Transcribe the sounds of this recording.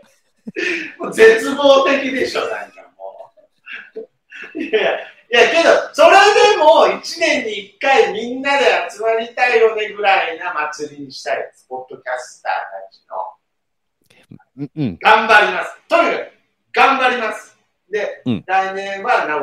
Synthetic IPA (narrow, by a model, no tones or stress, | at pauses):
moze̞t͡sɨbo̞ːt̪e̞kʲid̪e̞ɕo̞nã̰ŋkamo̰ː | jaja | jake̞d̪o̞so̞ɾed̪e̞mo̞it͡ɕinẽ̞ɲ̟ːiːkːaimʲĩnːad̪e̞at͡sɨmaɾʲit̪aiɾo̞neɡɯ̟ɾainamat͡sɨɾʲiɲ̟iɕi̥t̪aḭesɨ̥po̞d̪ːo̞kʲasɨ̥t̪a̰ːnã̰ʑino̰ | ɡ̥ãmbaɾʲimasɨ̥t̪onaa | ɡ̥ãmbaɾʲimasɨ̥ | d̪e̞ɾainẽ̞ɰ̃βanã